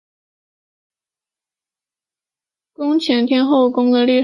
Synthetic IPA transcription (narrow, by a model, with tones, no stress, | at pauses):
kʊ˥ŋt͡ɕʰjɛ˧˥nt̪ʰjɛ˥nxo˥˩ʊkʊ˥ŋd̪ə˨li˥˩